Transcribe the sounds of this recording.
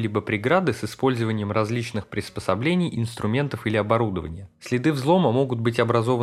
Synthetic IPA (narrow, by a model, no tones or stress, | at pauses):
lʲibəpɾʲɪɡɾad̪ɨsɨspo̞lʲzəvənʲɪjəmrɐzʲlʲit͡ɕnɨxpɾʲɪspəsɐblʲenʲɪjɪnst̪ɾʊmʲe̞nt̪əfilʲɪɐbɐɾud̪əvənʲɪjəsʲlʲɪd̪ɨvzlˠo̞məmo̞ɡʊd̪̚bɨtʲɐbɾɐzo̞və